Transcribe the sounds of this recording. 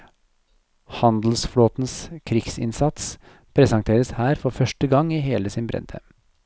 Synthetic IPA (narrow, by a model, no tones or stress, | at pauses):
hɑnd̪l̩sfloːt̪n̩skʰɾɪɡsɪ̰nsɑt̪s | pʰɾɛsɑŋt̪ʰeːɾəshæːɾfɔɾfœʂʈəɡɑŋiːɦeːləsɪnbɾɛ̰nd̪ʰə̰m